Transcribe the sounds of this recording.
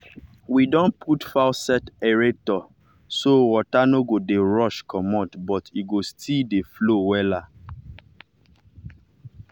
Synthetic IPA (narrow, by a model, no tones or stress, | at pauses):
widɔ̃npʰutfasɛtɛɹɛtɔ | sowɔtanoɡodeɹɔʃkʰɔmɔtbɔtiɡostʰildeflowɛla